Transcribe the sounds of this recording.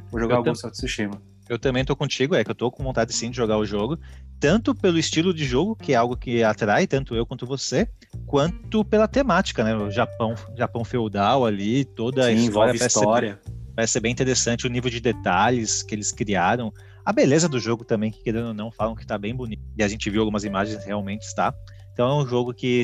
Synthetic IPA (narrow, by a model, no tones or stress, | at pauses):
oʒoɡaawɡ̪ũset̪ʊ̥sɪʃẽmɐ | ewt̪ɐ̃mbẽj̃t̪okõt͡ʃiɡʊɛkɪewt̪okõvõnt̪ad͡ʒɪsĩd͡ʒɪʒoɡaʊʒoɡʊt̪ɐ̃nt̪ʊpelʊɪst͡ʃilʊd͡ʒɪʒoɡʊkɪɛawɡʊkɪat̪ɾajt̪ɐ̃nt̪ʊewkwɐ̃nt̪ʊvose | kwɐ̃nt̪ʊpelɐt̪emat͡ʃi̥kɐnɛʊʒapɐ̃w̃ʒapɐ̃w̃fewd̪awalit̪od̪ɐĩsvɔɾjɐpisɛst̪sɔɾɾɐpaɾɛsɪsebẽt̪eɾesɐ̃nt͡ʃɪʊnivewd͡ʒɪd̪et̪aʎɪskɪelɪskɾiaɾɐ̃w̃ | ɐbelezɐd̪ʊʒoɡʊt̪ɐ̃mbẽj̃kɪ̥keɾẽnʊnɐ̃w̃falɐ̃w̃kɪ̥t̪abẽj̃bʊniɪaʒẽnt͡ʃɪviwawɡumɐzimaʒẽj̃sheawmẽnt͡ʃɪ̥st̪a | ẽt̪ɐ̃w̃ɛũʒoɡʊkɪ